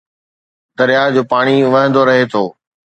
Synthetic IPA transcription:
d̪ɐɾijad͡ʑoːpaːɽ̃iʋɐ̃ɦə̃nd̪oɾɐɦet̪ʰoː

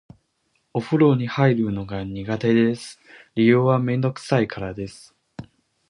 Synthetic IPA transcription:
o̞ɸɯ̟ɾo̞ːɲ̟ihaiɾɯ̟no̞ɡaɲ̟iɡat̪e̞d̪e̞sɨ̥ɾʲijoːβamẽ̞nd̪o̞kɯ̟̥saikʰaɾad̪e̞sɨ̥

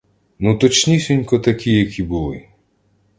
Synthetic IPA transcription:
nut̪ɔt͡ʃnʲisʲɔnʲkɔt̪ɐkʲijɐkʰʲibulˠɪ

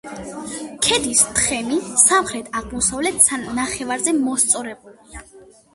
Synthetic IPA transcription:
kʰɛd̪ist̪ʰχɛmisamχɾɛt̪ʰaʁmɔsavlɛt̪ʰsanːaχɛvaɾzɛmɔst̪sʼɔɾɛbulia

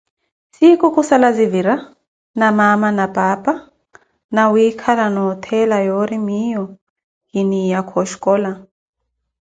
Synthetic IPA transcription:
sikukʼusalaziviɾa | namamanapʼapʼa | nawiːkʰalanɔt̪ʰɛlajɔɾimijɔ | hinijakʰɔʃkʼɔla

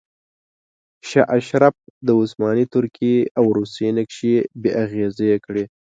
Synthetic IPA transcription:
ʃaʔaʃɾaf̚d̪əʊsmɑnit̪ʊɾkʰeawɾusenəkʃebeʔaɣezejekɽe

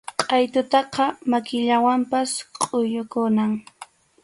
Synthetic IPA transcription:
qʼɑjt̪ʊt̪ɑqɑmakɪʎawampasqʼojʊkʊnaŋ

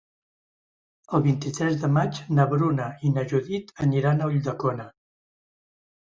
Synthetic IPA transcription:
əlˠβint̪it̪ɾɛzd̪əmad͡ʒnəβɾunəinəʒuðit̪əniɾanəuʎd̪əkonə

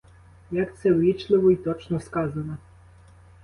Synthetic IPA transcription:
jɐkt̪sɛwʲit͡ʃlˠɪʋɔit̪ɔt͡ʃnɔskɑzɐnɐ

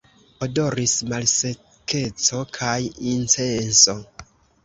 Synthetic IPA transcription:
odo̞ɾismalse̞ | ke̞t͡so̞kʰajint͡se̞nso̞

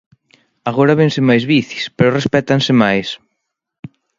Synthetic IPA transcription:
aɣoɾaβensɪmajzβiθi̥spɛɾʊrespɛt̪ansɪmajs

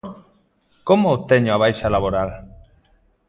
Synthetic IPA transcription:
komot̪eɲoaβajʃalaβoɾal

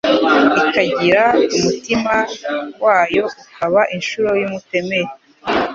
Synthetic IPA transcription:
ikaɟiɾaumutimawaːjo̞ukaβaʔinʃuɾojumute̞me̞ɾe

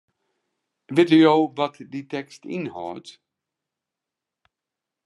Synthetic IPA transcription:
ʋɪtəjowʋɔtditɛkstḭnhɔ̰ːt

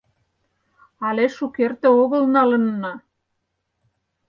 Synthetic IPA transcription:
ɑleʃukert̪ĕoɣə̆lnɑlə̆nːɑ

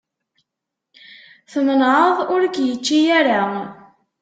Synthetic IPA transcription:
θənənʕəðˤʊɾəɡjət͡ʃːijaɾa

